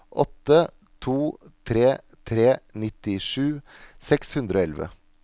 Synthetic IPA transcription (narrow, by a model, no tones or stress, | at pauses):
ʔɔt̪ːə | t̪ʰuːt̪ʰɾeː | t̪ʰɾeːnɪt̪ɪʂʉː | sɛkshʉnd̪ɾəoːɛlʋə̰